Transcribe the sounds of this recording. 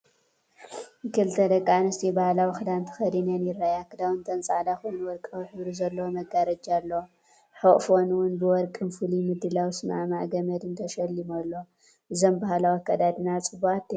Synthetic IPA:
kɨlt̪ʰɐd̪ɐkʼːanɨst̪ʰibahlawixɨd̪ant̪ʰɨ̥xɐd̪inɐnjɪɾːajakːɨd̪awɨnt̪ʰɐnt͡sʼaʕd̪axonwɔɾkʼɐwiħɨβɾuzɐlːɐwomɐɡaɾɐd͡ʒalːo | ħoʔfonwʊnbɨwɔɾkʼɨnfɨlimɨd̪ːɨlawsɨma̰maʔɡɐmɐd̪ɨnt̪ʰɐʃɐlːimolːo | ʔɨzombahlawikʰɐd̪ad̪ɨnat͡sʼɨbuat̪ːi

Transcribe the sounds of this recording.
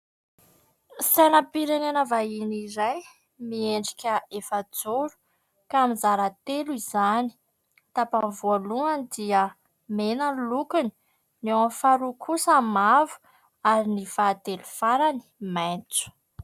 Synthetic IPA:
sanəpiɾenenavainiɾaj | mieɳɖ͡ʐi̥kʲəefəd͡zuɾu̥ | kamizaɾat̪eluizani̥ | t̪apanvualuand̪iə | menəlukuni̥ | nawafaɾukʰusəmavu̥ | aɾinifaːt̪elufaɾani̥majnt͡su̥

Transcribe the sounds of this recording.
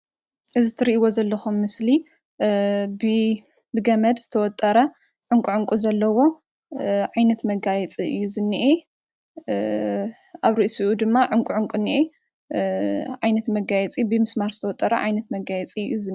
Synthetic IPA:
ʔɨzit̪ʰɨɾiʔiwozɐlːɐxumːɨsli | bɨ | bɨɡɐmɐd̪zɨt̪ʰɐwɔt̪ʼːɐɾɐ | ʕʊŋkʼuʕʊŋkʼuzɐlːɐwo̞ | ʕajnɐt̪mɐɡajɛt͡sʼiʔɨ̰jːuzɨnːiʔe | ʔaβɾɨʔsuʔud̪ɨmːaʕuŋkʷʼuʕʊŋkʷʼunːiʔe | ʕajnɐt̪mɐɡajɛt͡sʼibɨmɨsmaɾzɨt̪ʰɐwɔt̪ʼːɐɾɐ̰ʕa̰jnɐt̪mɐɡajɛt͡sʼiɨ̰jːuzɨn

